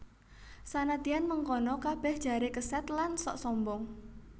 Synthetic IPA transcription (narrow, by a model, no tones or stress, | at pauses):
sanat̪ianməŋkɔnɔkab̥ɛ̤hd̥ʒ̥a̤ɾekəsɛt̪lansɔʔsɔmbɔŋ